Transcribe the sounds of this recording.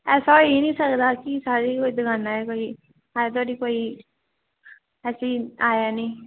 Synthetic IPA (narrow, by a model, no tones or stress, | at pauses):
ɛːsainĩːsəkd̪akisaːɾikoːid̪ɪɡãːnaɛkoːi | aːjat̪̬aːɖikoːi | ɛːsiaːjanĩː